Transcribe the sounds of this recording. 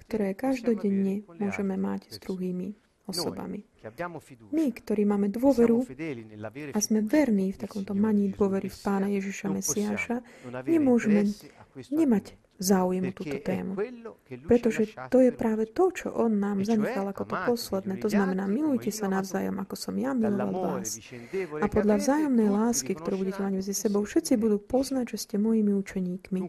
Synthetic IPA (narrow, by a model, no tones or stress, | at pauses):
kt̪ɔɾɛːkaʒd̪ɔɟɛɲːɛmʊɔʒɛmɛma̰cz̥d̪ɾuɦiːmi | ɔsɔba̰mi | mikt̪ɔɾiːmaːmɛd̪ʋʊɔʋɛɾu | azmɛʋɛɾniːft̪akɔmt̪ɔmaɲiːd̪ʊɔʋɛɾifpaːnajɛʒiʃamɛsiaːʃaɲɛmʊɔʒɛmɛɲɛmaɟ | zaːujɛmut̪uːt̪ɔt̪ɛ̰ːmupɾɛt̪ɔʒɛt̪ɔjɛpɾaːʋɛt̪ɔt͡ʃɔ̰ʔɔnːaːmzaɲɛxalˠakɔt̪ɔpɔslɛd̪nɛːt̪ɔznamɛnaːmilujcɛsanaʊzaːjɔ̰makɔsɔmjamilɔʋa̰lʋaːs | apɔd̪ʎavzaːjɔmnɛjlaːskikt̪ɔɾuːbuɟɛcɛmaɟmɛd͡zisɛbɔʊfʃɛt̪t͡sibud̪uːpɔznaɟʒɛscɛmɔjimiut͡ʃɛɲiːkmi